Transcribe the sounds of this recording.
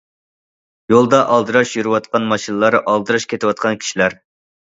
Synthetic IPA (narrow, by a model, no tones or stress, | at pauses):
jolˠd̪ɑʔɑlˠd̪ɨɾɑʃjyɾɨwɑt̪̚qɑnmɑʃinɨlˠɑɾʔɑlˠd̪ɨɾɑʃkʲʰet̪ʰɪwɑt̪̚qʰɑnkʲʰi̥ʃilæɾ